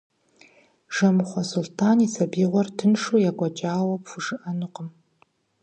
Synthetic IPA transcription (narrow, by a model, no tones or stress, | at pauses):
ʒ̥ɐmɨχʷɔsultʰaːnisɐbiːʁʷɔrtʰɨnʂujaɡʷɐt͡ʃʼaːwɐpfʷuʐɨʔɐnɨqəm